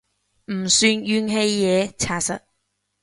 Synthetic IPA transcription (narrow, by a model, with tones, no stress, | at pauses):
m̩˨˩syː˧˥njyː˥nɦe˥jːɛː˨˥t͡sʰaː˨˩sɐ̰˨˥t̚